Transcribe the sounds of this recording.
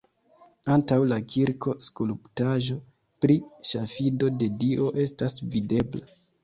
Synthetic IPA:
antawlakiɾko̞skuluptaʒo̞ | pɾiʃafido̞de̞diʔo̞ʔe̞stasvide̞bla

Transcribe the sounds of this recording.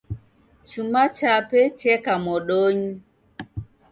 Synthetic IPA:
t͡ʃumat͡ʃapɛt͡ʃɛkamɔɗoɲi

